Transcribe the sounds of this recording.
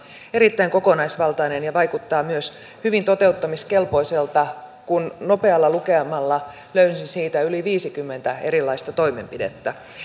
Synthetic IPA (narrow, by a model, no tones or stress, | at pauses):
eɾit̪ːæiŋko̞konɑisʋɑlt̪ɑinenjɑʋɑjkut̪ːɑːmyøs | hyʋint̪ot̪e̞ut̪ːɑmiskelpo̞iselt̪ɑkunno̞pe̞ɑlːɑlukeɑmɑlːɑ | løynsinsiːt̪æyliʋiːsikymːent̪æe̞ɾilːˑɑist̪ɑt̪o̞ime̞mpidḛt̪ːæ